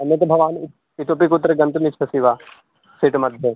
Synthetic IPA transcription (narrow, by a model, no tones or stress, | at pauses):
ɐnːɐt̪bʱɐʋaːn | ɪt̪oːp̬ikut̪ːɾɐɡɐ̃nt̪unit͡ʃʰɐsiʋaː | seːʈmɐd̪ʱjɐ